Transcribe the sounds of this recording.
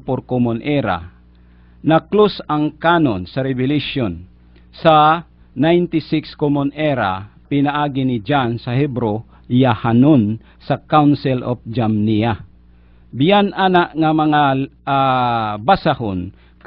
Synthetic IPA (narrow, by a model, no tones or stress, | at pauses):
poɾkomonʔɛɾa̰ | naklosaŋkaːnonsɐɾɪbɪlɪʃjon | sa | najnt̪ɪsɪkskomonʔɛɾa̰pɪnaʔaːɡɪnɪd͡ʒansahɛbɾo | jahanon | sakawnsɪlɔf̚d͡ʒamnija | bɪjanʔanaʔŋamɐŋa | basahʊn | k